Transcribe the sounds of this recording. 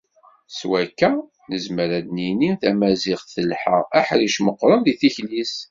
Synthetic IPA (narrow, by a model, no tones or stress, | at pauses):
swækːæ | nəzməɾæd̪niniθæmæziʁθəlħə̰æħɾiʃməqːɾˤənðiθiçlis